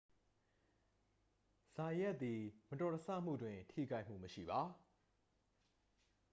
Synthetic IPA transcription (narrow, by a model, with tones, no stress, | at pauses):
z̥a˨jɛ˦ʔt̪ːi˨mətɔ˨təsä̰˦˨m̥ṵ˦˨dwɪ̃˨ntʰḭ˦˨ɡa˦ɪʔm̥ṵ˦˨məʃḭ˦˨ba˨˦